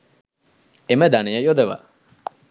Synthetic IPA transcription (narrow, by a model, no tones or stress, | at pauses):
eməd̪anejɐjod̪eʋa̰